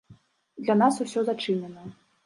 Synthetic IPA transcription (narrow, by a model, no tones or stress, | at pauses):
d̪lʲan̪asusʲɔzat͡ʂɨnʲɛnɐ